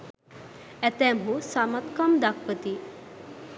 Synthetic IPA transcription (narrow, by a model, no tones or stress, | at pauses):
æt̪ɛmɦusamat̪kamd̪akʋət̪i